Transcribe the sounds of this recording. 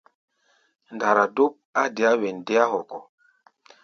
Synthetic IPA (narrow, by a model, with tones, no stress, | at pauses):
n˨da˨ɾa˨do˦p̚a˦de˨a˦wɛ˨nde˦a˦ɦɔ˨kɔ˨